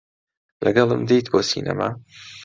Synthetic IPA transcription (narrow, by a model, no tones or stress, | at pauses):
lɐɡɐlˠəmd̪ejt̪boːsḭːna̰ma